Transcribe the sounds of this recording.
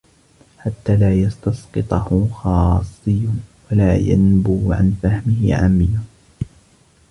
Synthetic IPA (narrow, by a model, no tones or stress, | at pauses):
ħat̪ːaːlaːjɑst̪ɑsqɨt̪ˤɑhʊxɑːsˤːɨjʊwalaːja̰nbuːʕa̰nfahmɪhɪ̰ʕa̰ːmːɪjʊ